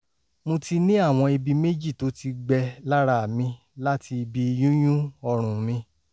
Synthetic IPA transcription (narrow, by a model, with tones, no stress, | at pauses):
mõ˧ti˧nĩ˦a˦˨w̃ɔ̃˧i˧bi˧me˦d͡ʒi˦˨to˨˦ti˧ɡ͡bɛ˧la˦ɾa˦˨mĩ˧ | la˦ti˧i˧bi˧jũ˦j̃ũ˦ɔ˧ɾ̃ũ˨mĩ˧